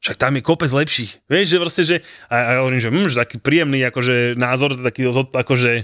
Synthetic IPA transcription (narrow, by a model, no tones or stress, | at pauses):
ʃak̚t̪amjɛkɔpɛd͡zlɛpʃiːxʋjɛʃʒɛpɾɔscɛʒɛaaɔʋɔɾiːmʒɛmm̩mʒɛt̪akiːpɾiːjɛmniːakɔʒɛnaːzɔɾt̪akiːɔzɦɔt̪akɔʒɛ